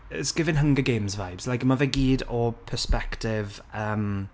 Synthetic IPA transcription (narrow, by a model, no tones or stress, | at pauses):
ə̰sɡ̥ɪvɪ̃nɦəŋɡəɡejmzvajbz̥lajkmavɛɡiːdɔpʰəspɛktɪv | əːm